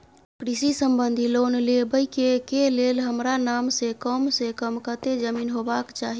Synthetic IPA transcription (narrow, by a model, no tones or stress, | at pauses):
pɾisisəmbənd̪ʱilonlebəjkekelelɦəmɾanamsekɔmsẽkəmkət̪ed͡ʒəminɦobakt͡ʃaɦi